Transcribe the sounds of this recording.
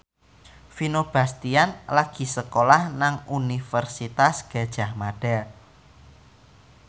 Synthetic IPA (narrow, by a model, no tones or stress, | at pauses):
finob̥a̤st̪ianlaɡ̥i̤səkolahnaŋunifərsit̪asɡ̥a̤d̥ʒ̥a̤hmaɖ̥ɛl